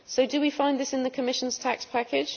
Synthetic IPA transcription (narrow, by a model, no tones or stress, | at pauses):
səʊdəwifãɪ̃nðɪsɪ̃nðəkʰəmɪʃə̃nz̥tʰakspʰakɪd̥ʒ̥